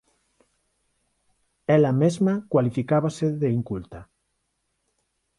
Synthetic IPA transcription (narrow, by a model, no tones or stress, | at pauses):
ɛlamezmakwalifikaβaseðeiŋkult̪a